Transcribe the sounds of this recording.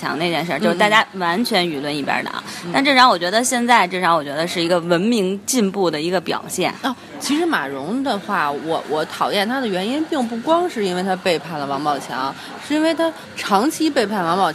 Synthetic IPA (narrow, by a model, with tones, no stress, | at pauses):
jɑ̰˧˥ŋne˥˧ɪt͡ɕjɛ˥˧nʂ̬ə˥˧t͡ɕʂt̪a˥˧˩t͡ɕja˥wa˧˥nt͡ɕʰɥɛ˧˥ny˨˩lwə˥˧ni˥˩pja̰˧˥d̪ə̰˩t̪a˥˧nʈ͡ʂɤ˥˩ʂɑ˧˥ŋwɔ˨˩t͡ɕɥɛ˧˥d̪ə˧ɕjɛ˥˧nt͡sa˥˧ɪʈ͡ʂɤ˥˩ʂɑ˧˥ŋwɔ˨˩t͡ɕɥɛ˧˥d̪ə˧ʂɻ̩˥˩i˧˥ɡə˧wə˧˥nmi˧˥ŋt͡ɕi˥˧npu˥˩d̪ə˩i˧˥ɡə˧pjɑ̰˨˩ʊɕjɛ̰˥˩nə˥˩ | t͡ɕʰi˧˥ʂɻ̩˧˥ma̰˨˩ɻʊ˧˥ŋd̪ə˧xwa˥˩wɔ˨˧˩wɔ˧˩t̪ʰɑ˨˩ʊjɛ˥˩nt̪ʰa˥d̪ə˨ɥɛ˧˥ni˥npi˥˧ŋpu˥˩kwɑ˥ŋʂɻ̩˥˩i˥nwe˥˩ɪt̪ʰa˥pe˥˧ɪpʰa˥˩nlə˩wɑ˧˥ŋpɑ˨˧˩ʊt͡ɕʰjɑ̰˧˥˦ŋ˧ | ʂɻ̩˥˩˧i˥nwe˥˩ɪt̪ʰa˥ | ʈ͡ʂʰɑ˧˥ŋt͡ɕʰi˥pe˥˧ɪpʰa˥˩nwɑ˧˥ŋpɑ˨˩ʊ